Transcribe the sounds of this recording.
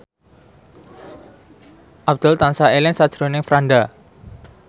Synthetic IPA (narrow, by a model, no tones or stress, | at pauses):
ʔabd̪̥ʊlt̪ansaelɪnsad̥ʒ̥ɾonɪŋfɾaɳɖa